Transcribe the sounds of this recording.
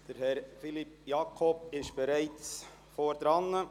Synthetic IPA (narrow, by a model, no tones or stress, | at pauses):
d̥əɾhɛɾfilipjɑːkʰɔbɪʃb̥ɛɾæɪt͡s | foɾd̥̪ɾɑnːə